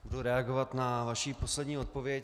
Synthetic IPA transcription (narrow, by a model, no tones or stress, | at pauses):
buduɾɛaɡo̞vat̪navaʃiːpo̞slɛdɲiːo̞t̪̚po̞vjɛc